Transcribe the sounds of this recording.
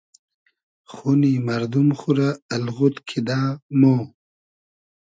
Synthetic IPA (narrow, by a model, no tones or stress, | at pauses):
χunimaɾd̪umχuɾaːlɣut̪kʰid̪ãːmo